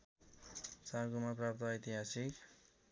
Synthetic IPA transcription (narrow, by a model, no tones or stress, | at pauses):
t͡saɾɡumaprap̚t̪ʌːjt̪iɦasik